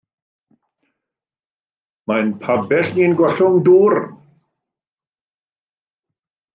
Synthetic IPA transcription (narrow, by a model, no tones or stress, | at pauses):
majnpʰabɛɬniːnɡɔɬʊŋduːr